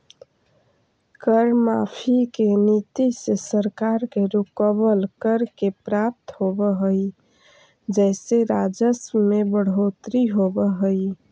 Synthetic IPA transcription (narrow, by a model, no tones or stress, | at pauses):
kəɾmapʰikenit̪isesəɾkaɾkeɾukəbəlkəɾkepɾap̚t̪ɦobəɦəj | d͡ʒɛseɾad͡ʒəsmebəɽ̤ot̪ɾiɦobəɦəj